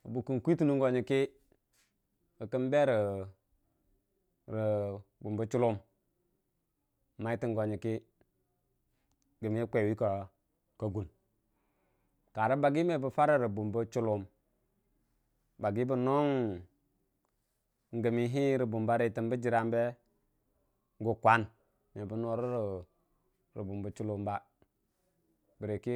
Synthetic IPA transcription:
bu˨ku˦nkʷi˦ti˦nu˦ŋ˦ɡo˨ɲi˨ki˦ | kə˨kə˦mbe˦ɾə˨ | ɾi˨bu˨mbə˦t͡ʃu˦lu˦m˨ | ma˨˦i˦ti˦ŋɡo˨ɲi˨ki˦ | ɡə˨mi˨˦i˦kʷe˨wi˦ka˨ | ka˨ɡu˨n | ka˨ɾi˦ba˨ɡi˦me˨bə˨fa˦ɾa˦˨ɾi˨bu˨mbu˦t͡ʃu˦lu˨m | ba˨ɡi˦bu˦no˦ŋ | ŋ˨ɡə˨mi˦ɦi˦ɾi˨bu˨mba˦ɾe˨ti˨mbə˦d͡ʒi˨ɾa˨mbe˦ | ŋ˦ɡu˨kʷa˦n | me˨bu˨no˦ɾu˦ɾ | ɾi˨bu˨mbu˨t͡ʃu˦lu˦mba˦ | bi˨ɾe˨ki˦

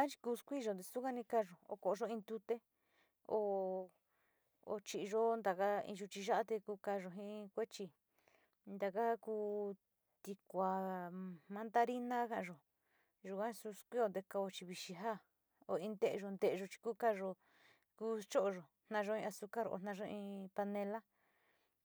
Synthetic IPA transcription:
a˦t͡ʃi̥˧kuː˧skʷi˦˧ʒo˧d̪e˧su˦ka˦nĩ˧ka˧ʒo˨o̰˧˨ko˨ʔo˧ʒo˧ĩ˧nd̪u˧t̪e˦ | o˧ | o̰˧t͡ʃi˧ʒo˦nd̪a˨ka˦ḭ̃˧ʒu˧t͡ʃi˧ʒa˦ʔa˦t̪e˧kuː˧ka˧ʒo˧ɦĩ˦kʷe˦t͡ʃi˧ | nd̪a˧ka˦kuː˧ | t̪i˧kʷa˧ | mã˧˦nd̪a˦ɾi˦nã˦kã˧ʔã˧ʒo˨ | ʒu˧˨kʷã˦su˧˦skʷi˦o˧nd̪e˧ka˧o˧t͡ʃi˧βi˧ʃi˧ɦa˦˨ | o˧˨ĩ˧nd̪e˦ʔe˧ʒo˧nd̪e˧ʔe˧ʒo˧t͡ʃi̥˧kuː˦ka˧ʒo˧ | ku˧˦t͡ʃo˦ʔo˧ʒo˨ | n̥nã˧ʒo˧ĩ˧a˧su˧ka˦ɾo̰˧nã˧ʒo˧ĩ˧pa˧nẽ˧la˦

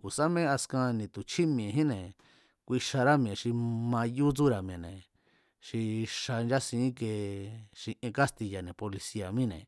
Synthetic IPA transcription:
ku˨sa˦mẽ˦a˧skã˧nĩ˨t̪u˨t͡ʃʰi˦m̃˧ẽ˨ɦĩ˦nẽ˨ | kʷi˧ʃa˧ɾa˦mĩ˧ẽ˨ʃi˧mã˧ju˦t͡su˦ɾa˨mĩẽ˨nḛ̃˨ | ʃi˧ʃa˧nd͡ʒa˦sĩː˨˦ke˧ʃi˧ʔẽ˧ka˦st̪i˧ja˨nẽ˨po˧li˧si˧a˨mĩ˦nḛ̃˨

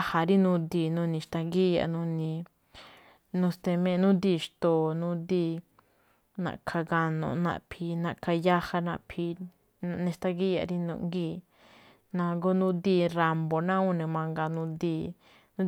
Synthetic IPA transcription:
ha˨ɾi˦nũ˧d̪iː˧˨nũ˧nĩ˧ʃt̪ã˧ɡi˦ja̰˧˨nũ˧nĩ˧ | nũ˧st̪e˧mẽ˧nũ˦d̪iː˧ʃt̪o˧˨nũ˦d̪iː˧ | nã̰˨kʰa˧ɡa˧nõ̰˨nã̰˧˨pʰi˧nã˧˨kʰa˧ja˦ha˧nã˧˨pʰi˧ | ñ˧nẽ˧ʃt̪a˧ɡi˦ja̰˧˨ɾi˦nṵ̃˧˨ŋɡiː˦˨ | nã˧ɡo˦nũ˦d̪i˦˧ɾa˧mbo˨nã˦ũ˦˨nẽ˨mã˧ŋɡa˧nũ˧d̪iː˧ | nũ˦

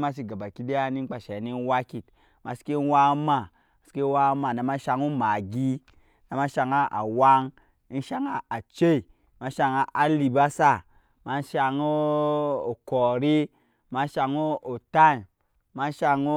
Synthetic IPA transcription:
ma˦s̬i˨ɡa˨ba˨ki˦de˦a˦ni˦k͡pa˨ʃɛ˨˦ni˦n˦wa˦ki˨t | ma˨si̥˦ke˦wa˦ma˦˨ | a˨si̥˨˦ke˦wa˦ma˨na˨˦ma˦ʃa˧ŋo˦ma˨ɡi˦ | na˨ma˦ʃa˧ŋa˦ʔa̰˨wa˦ŋ˦ | n̩˦ʃa˨ŋa˦a˨t͡ʃe˦i˨ | ma˨˦ʃa˧ŋa˦ʔa˨˦li˨ba˦sa˦˨ | ma˨˦n̩˦ʃa˧ŋo˦o˨kɔ˨ɾi˦ | ma˦ʃa˧ŋo˦o˨ta˦˨n˨ | ma˦ʃa˧ŋo˦

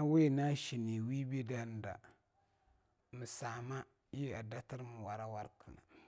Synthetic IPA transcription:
a˦we˦˨na˦ʃi˨ni˨wi˦bi˦da˦n˦da̰˨ | mɨ˨saː˨ma˦ | jɛ˦a˨da˦tɨ˦ɾm˨wa˨ɾa˦wa˦ɾkʰɨ˨na̰˨

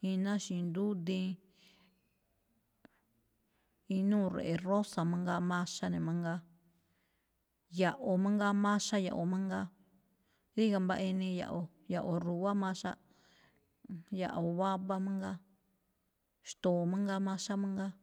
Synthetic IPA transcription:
ĩ˧nã˦ʃĩ˧nd̪u˦d̪ĩ˧˦ | ĩ˧nũː˦˨ɾḛ˨ʔe˨˧ro˦sa˨mã˦ŋɡa˧mã˦ʃa˦nẽ˨mã˦ŋɡa˧ | ja˨ʔo˧mã˦ŋɡa˦mã˦ʃa˦ja̰˨ʔo˨mã˦ŋɡa˦ | ði˦ka˧mba˧ʔi˧nĩ˧ja̰˨ʔo˨ | ja˨ʔo˧ɾu˨βa˦mã˦ʃa̰˦ | ja̰˨ʔo˨βa˦βa˦mã˦ŋɡa˦ | ʃt̪o˨mã˦ŋɡa˦mã˦ʃa˦mã˦ŋɡa˦

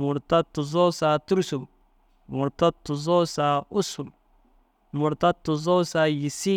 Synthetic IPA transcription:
mʊ˨ɾta˦tʊ˨z̬ɔ˦sa˨tu˦ɾsu˨m | mʊ˨ɾta˦tu˨zɔ˦sa˨ʊ˦su˨m | mʊ˨ɾta˦tːu˨zɔ˦sa˨ji˨si˦

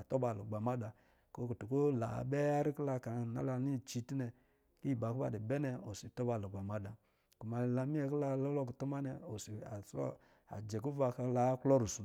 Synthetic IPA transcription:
a˨tɔ˦ba˨lo˨ɡ͡ba˨ma˦da˨ | ko˦ku˨tu˨ko˦la̰˨bɛ˦a˦ɾi˦kla˧ka˨na̰˦la˧ni˦˨t͡ʃi˨˦ti˦nɛ˨ | ki˦˨ba˨kba̰˨di˨bɛ˦nɛ˨o˨si˨tɔ˦ba˨lo˨ɡ͡ba˨ma˦da˨ | ku˨ma˨la˧mi˦ɛ˦kla˧˦lɔ˦lɔ˦ku˨tu˦ma˦nɛ˨o˨si˨a˨sɔ̰˦ | a̰˨d͡ʒɛ˨ku˦va˧ka˦la˦klɔ˦ɾu˨su˨

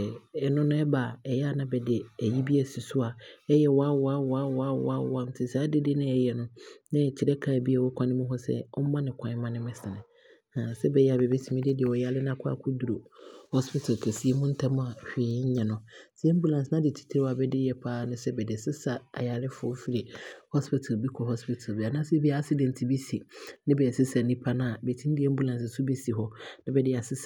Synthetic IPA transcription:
ɛ˨nʊ̃˦nʊ̃˦ɛ˦ba˨ɛ˨jɛ˦a˦nã˦bɛ˨dɪ˨æ˨ji˦bi˦ɛ˨si˨sʊ˦a˨ɛ˦jɛ˨wɔ˨˦a˦wɔ˦a˦wɔ˨a˦wa˦wa˦wɔ̰˦a˦m̩˦tʰɪ˨sa˦dɪ˦dɪ˦nɪ̃˦ɛ˦˨jɛ˨nʊ̃˦nɪ̃˦˨t͡ɕʰi˨ɾɛ˦kʰa˨bi˦a˨wɔ˦kʰʷã˦nɪ̃˦mũ˦ɦɔ˦sɛ̰˦ɔ˦mã˦nɪ̃˨kʷʰã˨˦ɪ̃˦mã˦nɪ̃˦mɪ̃˦sɪ̃˨nɪ̃˨ | ã˨sɛ˦bɛ˨jɛ˨a˨bɛ˨be˦sʰi˨mĩ˦dɪ˦dɪ˨ɛ˨wɔ˨ja˨˦lɪ˦nã˦kʰʊ˦a̰˨kʰʊ˦du˨ɾo˨hɔ˦spɪ˦tʰa˨lkʰɛ˨si˦e˦mũ˦n̩˦tʰa˦mʊ̃˦a˨hᶣeː˨˦ɪ˦ɲ̩˦ɲã˨nʊ̃˨si˦ɛ˦m̩˦bu˦lã˨nsnã˦dɪ˨tʰi̥˦tʰɪ˦ɾɪ˦wa˨bɛ˦dɪ˦jɛ˨pʰaː˦nʊ̃˦sɛ˦bɛ˨dɪ˨sɪ˦sa˨a̰˨ja˨lɪ˦fʊ˨˦fi˨ɾi˨hɔ˦spɪ˦tʰa˨lbi˦kʰɔ˨hɔ˦spɪ˦tʰa˨lbi˨a˨nã˦sbi˦a˨a˦sɪ˦dɛ̃˨n˨tʰi˨bi˦si˨nɪ̃˦bɛː˨sɪ˦sa˨nĩ˦pʰa˦nã˦˨a˨bɛ˨tʰĩ˦n˦di˦ɛ˦m̩˦bu˦lã˨nsɪ˨su˦bi˦si˨ɦɔ˦nã˦bɛ˨dɪ˦˨a˨sɪ˦s

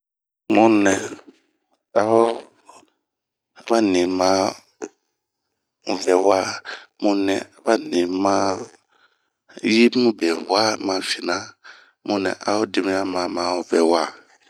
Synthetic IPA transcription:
mũ˦nɛ̃˨ | a˨hɔ˦ | ba˦nĩ˨mã˦˨ | vɛ˨wa˦mũ˦nɛ̃˨a˨˦ba˦nĩ˨mã˦ | ji˦mũ˦bɛ˨wa˦mã˨fi˨nã˦ | mũ˦nɛ̰̃˨ʔa̰˨hɔ˦di˨mũ˦a˦mã˨mã˨ɔ˨vɛ˨wa˦˨

